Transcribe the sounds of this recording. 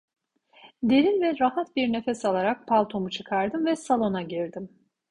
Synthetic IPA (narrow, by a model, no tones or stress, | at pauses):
d̪e̞ɾinvɛɾahat̪biɾne̞fɛsalˠaɾak̚pʰalˠt̪ʰo̞mut͡ʃʰɯkʰaɾd̪ɯmvɛsalˠo̞naɟiɾd̪im